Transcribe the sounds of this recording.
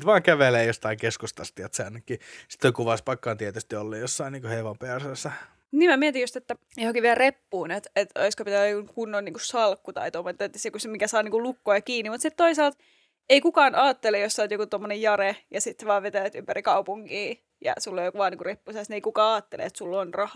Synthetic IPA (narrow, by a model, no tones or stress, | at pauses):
ut̪ʋɑːŋkæʋeleːjost̪ɑiŋkeskust̪ɑst̪iɑt̪sæːnːykːiːsi̥t̪ːoikuʋɑspɑkːɑːnt̪iet̪yst̪iolːeːjjosːɑiniːŋkoheʋompeæsesːɑ | niːmæmiɛt̪ijust̪et̪ːæ | johokiʋʋiælrepːuːnet̪et̪o̰iskopit̪æʋæuŋkunːonniːŋkussɑlkːut̪ɑ̰it̪omːoet̪ːɑt̪ːesokusmikæsɑːniŋkulukːojɑkiːnːimut̪sit̪t̪oisɑːlt̪ | eikukɑːnɑːt̪ːelejosːɑːˑt̪jokut̪omːonejjɑrejɑsit̪sʋɑːʋʋet̪æʋæt̪ympærikɑupuŋkiː | jɑ̰sulːojokuʋɑːniːŋkurepːuːsesnieikukɑːɑːt̪ːelḛḛt̪sulːonrɑh